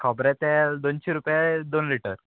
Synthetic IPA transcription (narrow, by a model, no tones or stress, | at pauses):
kʰɔbɾɛt̪ɛ̃d̪ont͡ɕeɾupjad̪onliʈəɾ